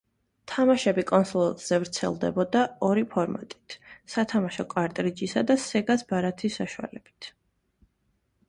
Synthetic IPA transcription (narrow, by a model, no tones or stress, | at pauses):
t̪ʰamaʃɛbikʼɔnsɔlz̥ɛvɾt̪sʰɛ̰lˠd̪ɛ̰bɔd̪aɔɾipʰɔɾma̰t̪ʼi̥t̪ʰsat̪ʰamaʃɔkʼwaɾt̪ʼɾid͡ʒisad̪asɛɡasbaɾat̪ʰisːaʃua̰lɛb̥it̪ʰ